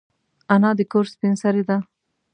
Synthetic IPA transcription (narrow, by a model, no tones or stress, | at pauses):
anɑd̪əkoɾspinsaɾed̪a